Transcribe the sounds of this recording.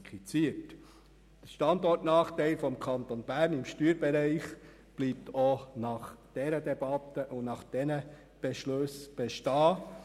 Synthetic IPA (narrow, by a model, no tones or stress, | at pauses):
kʰfit͡siət | d̥əɾʃtɑnd̪ɔrtnɑːχt̪ɛɪlfɔmkʰɑnt̪onb̥æːɾnɪmʃtyːɾb̥ɛɾɛɪχ | b̥liːp̚t̪ʰonɑχd̥ɛɾəd̪ɛbɑt̪əʔʊnɑχd̥ɛnə | b̥ɛʃløsb̥ɛʃtɑː